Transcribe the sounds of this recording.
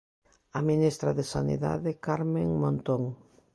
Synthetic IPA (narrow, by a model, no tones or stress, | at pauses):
aminist̪ɾaðesanḭða̰ðɪkaɾmẽŋmõnt̪oŋ